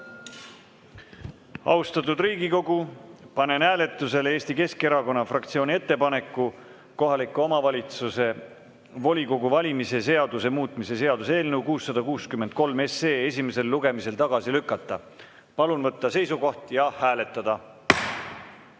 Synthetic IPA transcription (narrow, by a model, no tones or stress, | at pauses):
ɑ̰wst̪ɑt̪ːˑud̪riːɡiko̞ɡ̥upɑne̞nhæːle̞t̪ːˑuse̞le̞ːst̪ike̞ske̞ɾɑko̞nːɑfrɑkt̪sio̞ːnʲiet̪ːe̞pɑne̞kːˑu | ko̞ɦɑlikːˑuo̞mɑvɑlʲit̪suse̞ | vo̞lʲiko̞ɡuvɑlʲimise̞se̞ɑd̪̥use̞muːt̪ːˑmise̞se̞ɑd̪̥use̞ːlneukuːsːɑd̪̥ɑkuːskymːend̪̥̚ko̞lme̞se̞ːe̞sʲime̞se̞lːuɡ̥e̞mise̞lt̪ɑɡ̥ɑsilykːˑɑt̪ːˑɑ | pɑlunvɤt̪ːɑse̞jsuko̞ht̪jɑhæːle̞t̪ːˑɑd̪̥ɑ